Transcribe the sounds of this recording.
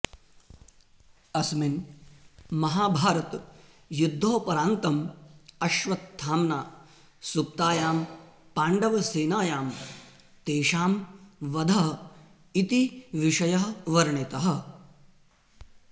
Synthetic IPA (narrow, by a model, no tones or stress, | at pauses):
ɐsmin | mɐɦaːbʱaːɾɐt̪ | jud̪ʱːoːpɐɾaːnt̪ɐmɐʃʋɐt̪t̪ʰːaːmnaː | sup̚t̪aːjaːmpaːɳɖɐʋɐseːnaːjaːm | t̪eːʃaːmʋɐd̪ʱɐɦɐ | it̪iʋiʃɐjɐɦɐʋɐɾɳit̪ɐɦɐ̆